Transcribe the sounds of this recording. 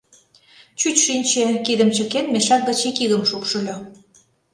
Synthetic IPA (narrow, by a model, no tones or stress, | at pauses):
t͡ɕyt͡ɕʃinʲt͡ɕekid̪ə̆mt͡ɕə̆kenmeʃɑk̪̚ɡə̆t͡ɕikiɣə̆mʃupʃə̆lʲo